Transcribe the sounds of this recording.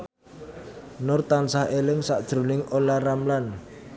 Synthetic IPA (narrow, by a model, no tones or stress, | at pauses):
nʊrt̪ansahelɪŋsaʔd̥ʒ̥ɾunɪŋʔolaramlan